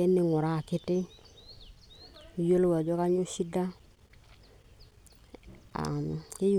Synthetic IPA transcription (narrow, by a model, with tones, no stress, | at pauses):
e˦ni˦ŋo˨ɾa˦˨ki˦ti˦˨ | jo˦lu˦wa˨d͡ʒo˦ka˦ɲu˦ʃi˦da˦ | a̰˨ke˦ju˨